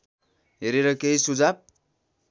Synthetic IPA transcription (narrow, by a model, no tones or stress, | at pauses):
ɦeɾeɾʌkeisud͡zab̚